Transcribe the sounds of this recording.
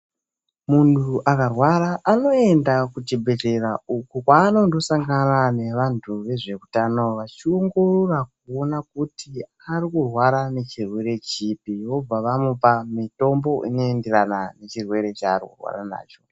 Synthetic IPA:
muntʰuʔakarwaɾaʔano̞e̞ndakutibʱe̞te̞raukukwaːno̞ndo̞saŋɡanane̞ʋantʰuʋe̞ʐe̞kutano̞ʋat͡ʃio̞ŋɡo̞rorak̚uo̞nakutʰi | arikurwaɾane̞t͡ʃirwe̞ɾe̞t͡ʃipiwo̞b͡vaʋamopamito̞mbo̞ʔino̞enderanane̞t͡ʃirwe̞ɾe̞t͡ʃaːɾikṵrwa̰ra̰na̰ːt͡ʃo

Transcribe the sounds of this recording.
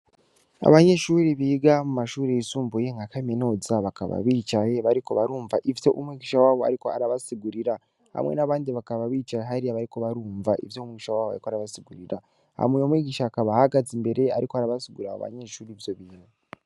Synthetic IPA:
a̰βaɲe̞ʃuːɾiβiːɡamumaʃuːɾeisuːmbujeŋɡakameno̞zaβaka̰βa̰βiːt͡ʃajeβaɾiko̞βaɾuːɱvaʔivjo̞ʔumwiːɟiʃawaːβo̞a̰ɾikoa̰ɾaβasiɡuɾiɾa | ha̰mŋḛnaβaːndiβakaβaβiːt͡ʃajeɦaɾiaβaɾiko̞βaɾuːɱvaʔḭvjomwiɡiʃawaːβoa̰ɾikoaɾaβasiɡuɾiɾa | ha̰mwejomwiːɡiʃaːkaβahaɡazimbe̞ɾe̞aɾikoaɾaβasiɡuɾaa̰βa̰ɲe̞ʃuːɾivjo̞βiːne

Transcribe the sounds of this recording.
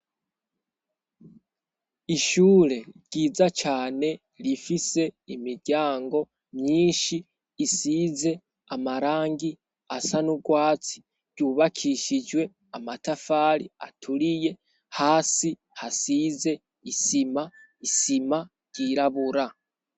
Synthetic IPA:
iʃuːɾe̞ɾɟ̥iːzat͡ʃaːne̞ | lifise̞imiɾɟaːŋɡo̞ | mɲiːnʃiː | siːze̞ | amaɾaːŋɡi | asanuɡwaːt͡si̥ | ɟ̥uβakʰiʃid͡ʒwe̞ | amatafaːlia̰tʰulije̞ | haːsi | hasiːze̞ | isima | isima | ɟiːɾaβuɾa

